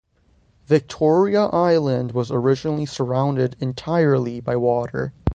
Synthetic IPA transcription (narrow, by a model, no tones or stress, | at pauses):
vɪk̚tʰɔɹiəʔaɪlˠə̃nd̚wʌzə˞ɪd͡ʒənl̩ˠisə˞ãʊ̃ndɪɾɨ̃ntʰaɪə˞lˠibaɪwɔɾə̰˞